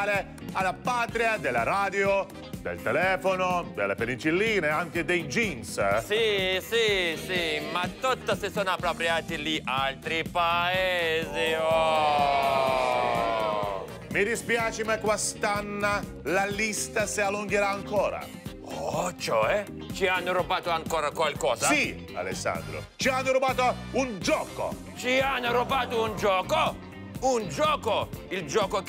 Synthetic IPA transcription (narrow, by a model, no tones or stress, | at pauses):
ɾe | alapaːt̪ɾiad̪elːa̰ɾaːd̪jo | d̪ḛlt̪elɛːfonod̪elːepenit͡ʃilːiːneaŋked̪ejd͡ʒimssisisimat̪ːot̪ːasesoːnapːɾopɾjaːt̪iliʔalt̪ɾipaeːziɔ | mid̪ispjaːt͡ʃɪmakwast̪anːa | lalist̪asialːuŋɡeɾaːŋkɔːɾa̰ | ɔt͡ʃoɛ | t͡ʃianːʊɾubaːt̪oaŋkɔːɾakwalkɔːzasi | a̰lḛsːa̰nd̪ɾo̰t͡ʃianːʊɾubaːt̪o | und͡ʒɔːko̰ | t͡ʃianːoɾubaːt̪ʊund͡ʒɔːko | und͡ʒɔːkoild͡ʒɔːko